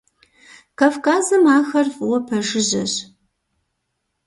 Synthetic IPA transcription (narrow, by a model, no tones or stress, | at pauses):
kafkaːzɐmaːxɐrfʼwɐpʰɐʒɪʑɐɕ